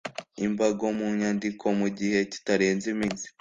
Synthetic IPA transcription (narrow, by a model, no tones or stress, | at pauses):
imbaɡo̞muɲaːndikʰo̞muɟihe̞ci̥taɾe̞ːnzimiːnzi̥